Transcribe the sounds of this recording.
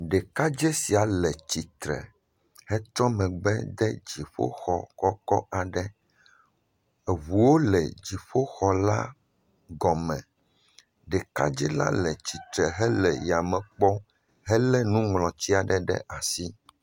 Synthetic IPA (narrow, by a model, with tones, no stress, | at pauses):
ɖɛ˨ka˦d͡ʒɛ˦si˨a˨lɛ˨t͡ɕi˨t̪ɾɛ̰˨ | hɛ˦t̪ɾɔ˦mɛ̃˨ɡ͡bɛ̰˦d̪ɛ̰˦d͡ʑi˨ɸo̰˦xɔ̰˨kɔ˦kɔ˦ʔa˨ɖɛ˦ | e˨vu˨wo˦lɛ˨d͡ʑi˨ɸo˦xɔ˨la̰˦ | ɡɔ˨mɛ̃˨ | ɖɛ˨ka̰˦d͡ʒɛ˦la̰˦lɛ˨t͡ɕi˨t̪ɾɛ˨ɦɛ˦lɛ̰˨ja˨mɛ̃˨k͡pɔ˦ | ɦɛ˦lɛ˦nũ˦ŋlɔ̃˨t͡ɕi˦a˨ɖɛ˦ɖɛ̰˦ʔa˨si˦